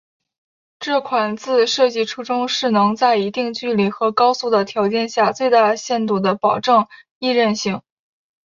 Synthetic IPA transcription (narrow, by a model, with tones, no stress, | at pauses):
ʈ͡ʂɤ˥˩kʰwa˨˩nt͡sɹ̩˥˧ʂɤ˥˧t͡ɕi˥˩ʈ͡ʂʰu˥ʈ͡ʂʊ˥ŋʂɻ̩˥˩nɤ˧˥ŋt͡sa˥˩ɪi˧˥t̪i˥˧ŋt͡ɕy˥˩li˨˩xɤ˧˥kɑ˥ʊsu˥˩d̪ə˩t̪ʰjɑ˧˥ʊt͡ɕjɛ˥˧nɕja˥˧t͡swe˥˧ɪt̪a˥˧ɕjɛ˥˩nt̪u˥˩d̪ə˦pɑ˨˩ʊʈ͡ʂɤ˥˧ŋ | i˥˧ɻə˥˧nɕi˥˩ŋ